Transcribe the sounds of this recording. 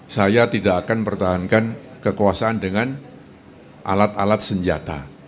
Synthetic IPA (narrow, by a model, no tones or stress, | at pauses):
sajat̪idaʔakanpərt̪aɦankankəkuwasaʔandəŋan | ʔa̰lat̪alat̪̚səɲd͡ʒa̰t̪a̰